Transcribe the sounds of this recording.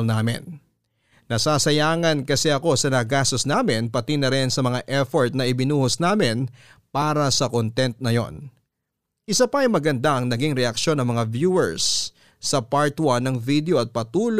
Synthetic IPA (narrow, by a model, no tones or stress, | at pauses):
lnaːmɪ̰nː | ɐsaːsɐjaːŋɐnkɐsɛʔɐko̞sɐnɐɡaːst̪o̞snaːmɪnpɐt̪inɐɾɛnsɐmɐŋaʔɛfoɹt̪̚nɐʔɪbɪnuːhosnaːmɪn | paːɾɐsɐkont̪ɛnt̪̚nɐjo̞̰n | ʔɪsɐpɐʔɐjmɐɡɐnd̪aʔɐŋnɐɡiŋɾɛʔɐkʃo̞nɐŋmɐŋavjuːɛɹsː | ɐpaɹt̪wanːɐŋvid̪ɛo̞ʔɐt̪̚pɐt̪uːl